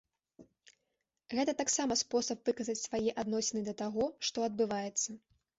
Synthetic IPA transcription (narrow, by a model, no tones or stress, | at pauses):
ɣɛt̪ɐt̪aksamɐspɔsɐpvɨkɐzɐt͡sʲsvajɛʔad̪nɔsʲɛnɨd̪ɐt̪aɣɔʂt̪ɔɐd̪̚bɨvajɛt̪sːɐ